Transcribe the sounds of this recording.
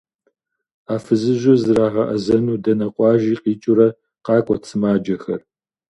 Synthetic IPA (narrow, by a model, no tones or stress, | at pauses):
aːfɨzɨʑʷʊzɨɾaːʁɐʔɐzɐnuːdɐnɐqʷʼɑːʒiːqiːt͡ʃʼʊɾɐ | qɑːkʷʼɔt͡sʰɨmaːd͡ʒɐxɐr